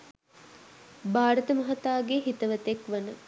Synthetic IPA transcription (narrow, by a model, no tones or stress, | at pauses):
baːɾət̪əmɐɦɐt̪aːɡeɦit̪əʋət̪ekʋənə